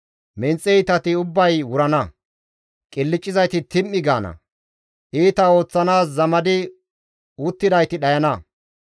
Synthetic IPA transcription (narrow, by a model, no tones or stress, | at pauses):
mɛnt͡sʼːɛɪt̪ɐt̪ɪʊbːɐjwʊɾɐnɐ | kʼɪlːɪt͡ʃʼːɪzɐjt̪ɪt̪ɪmːɪɡaːnɐ̰ | ʔiːt̪ɐo̞ːt͡sːɐnaːs̬zɐmɐd̪ɪ | ʊt̪ːɪd̪ɐjt̪ɪɗɐjɐnɐ